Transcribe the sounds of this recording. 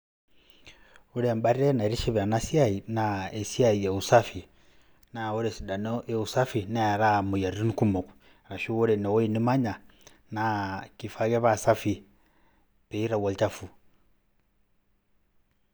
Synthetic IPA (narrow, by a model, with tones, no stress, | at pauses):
uɾemba˦ɾiɾena˨iɾi˦ʃi˦βa˨nasjainae˨sjaije˨usafi˨ | nau˦ɾesi˨da˨no˦eu˨sa˦fi˨na˦ja˨ɾamuja˨ɾii˦niku˦mo˨ku̥ | ɾa˨ʃu˦wu˦ɾe˨no˨we˦ini˦ma˦ɲa˨ | nakifaɣe˦βasa˦fi˨ | pei˦ɾa˨wa˨lt͡ʃafu˨